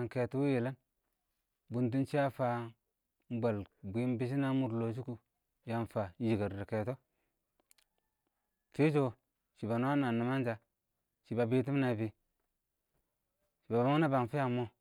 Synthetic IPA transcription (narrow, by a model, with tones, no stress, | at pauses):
ŋ˨ke˨tu˦wu˦ji˨la˦n | bu˨nt̬u˦nt͡ʃi˦ja˦fa˦ | m˦ba˨lbi˨˦n˦bi˦s̬i˦na˦mu˨ɾlo˨s̬u˦ku˨ | ja˨nfa˨˦ji˨ɡa˨ɾɾa˨ke˨to˦ | fi˦d͡ʒo˨ | ʃi˨ba˨n˦a˦na˨na˨ma˦nd͡ʒa˨ | ʃi˨ba˨bi˦t̬i˦m˦na˨bi˨ | ʃi˨ba˨ba˦ŋ˦na˦ba˨ŋfi˦ja˦˨mo˦